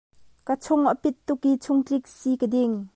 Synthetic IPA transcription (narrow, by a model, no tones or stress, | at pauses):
kət͡sʰʊŋəpɪt̪ːʊkit͡sʰʊŋtrɪk̚sikədɪŋ